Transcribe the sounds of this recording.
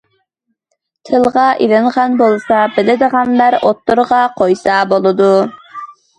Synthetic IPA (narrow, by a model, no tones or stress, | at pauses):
t̪ʰɨlˠʁɑʔiɾɨɴʁɑnbolˠsɑbɪlɪd̪əʁɑnlæɾot̪ːuɾʁɑqʰojsɑbolˠɨd̪u